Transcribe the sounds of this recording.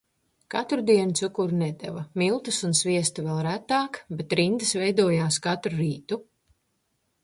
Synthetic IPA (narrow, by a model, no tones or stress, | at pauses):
kat̪ɾud̪iɛnt̪sukuɾnɛd̪ɛ̰vamilˠt̪usunsviɛst̪uvɛlˠɾæt̪ːaːkbet̪ɾind̪ɨsvɛjd̪uɔjaːskat̪ɾuɾiːt̪u